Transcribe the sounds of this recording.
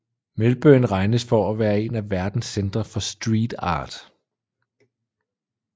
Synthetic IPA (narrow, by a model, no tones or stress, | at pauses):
melb̥øːn̩ʁɑ̈ɪnəsfɒ̽æʋæːɐe̝næʋæɐd̥n̩send̥ʁɐfɒ̽sd̥ʁiːd̥ɑ̰̈ːd̥